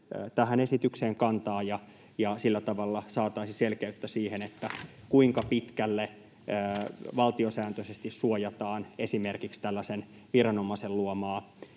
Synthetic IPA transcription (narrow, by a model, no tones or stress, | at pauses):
t̪æhænesit̪ykseːŋkɑnt̪ɑːjɑ | jɑsilːæt̪ɑʋɑlːɑsɑːt̪ɑisiselkeyt̪ːæsiːhenet̪ːæ | kuiŋkɑpit̪kælːeː | ʋɑlt̪iosæːnt̪øsest̪issuojɑt̪ɑːnesimerkikst̪ælːæsen | ʋirɑnomɑselluomɑː